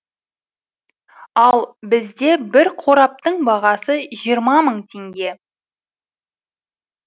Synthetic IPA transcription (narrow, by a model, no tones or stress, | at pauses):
ɑlˠbɪzd̪e̞bɪɾqʰo̞ɾɑp̚t̪əɴbɑʁɑsəʒijəɾmɑməɴt̪ʰe̞ŋɡʲe̞